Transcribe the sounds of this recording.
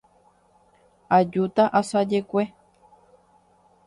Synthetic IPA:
ad͡ʒut̪aʔasad͡ʒekʷe

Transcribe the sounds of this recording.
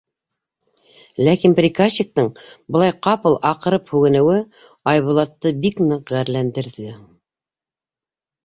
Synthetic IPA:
lækinprʲikaɕːik̚t̪ɤɴbɤ̆lˠɑjqɑpɤlˠʔɑqɤ̆ɾɤphʉɡɘ̆nɘ̆wɘ | ɑjβulˠɑt̪ːɤbiknɤqʁæɾlænd̪ɘ̆ɾðɘ

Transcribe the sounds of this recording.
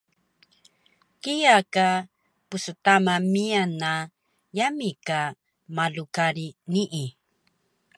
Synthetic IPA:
kijaka | pusətamamiana | jamika | malukaɾiniʔi

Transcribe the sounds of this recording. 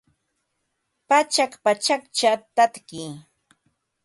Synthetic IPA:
pat͡ʃakpat͡ʃakt͡ʃat̪at̪kɪ

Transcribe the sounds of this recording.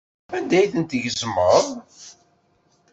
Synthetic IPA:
ænd̪æjθənt̪əʝəzməðˤ

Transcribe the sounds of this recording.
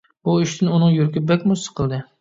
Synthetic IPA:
buiʃt̪ʰɪnunɨŋjyɾkʲɪbɛkʲmʊsə̥qʰəlˠd̪ɨ

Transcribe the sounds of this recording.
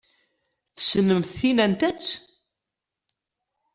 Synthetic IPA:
θə̥sənəmθθinænt̪æt͡s

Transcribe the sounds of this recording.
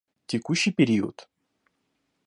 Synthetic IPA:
tʲɪkuɕːɪjpʲɪɾʲiʊ̰t̪

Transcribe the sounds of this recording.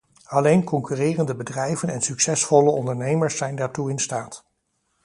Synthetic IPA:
ɑlejnkɔŋkyːrɪːrəndəbədrɛjvənɛnsyksɛsfɔləɔndəɹnejməɹsːɛjndaːɹtuɪnstaːt

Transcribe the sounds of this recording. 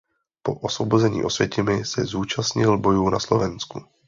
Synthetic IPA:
po̞ʔosvo̞bozɛɲḭːʔo̞svjɛcɪmɪsɛzuːt͡ʃasɲɪlbo̞juːna̰slovɛnsku

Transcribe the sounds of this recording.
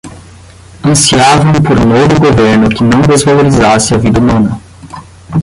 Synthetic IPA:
ɐ̃siavɐ̃w̃poɾnovʊɡoveɾnʊkɪnɐ̃w̃d̪ezvaloɾizasɪɐvid̪ɐumɐ̃nɐ

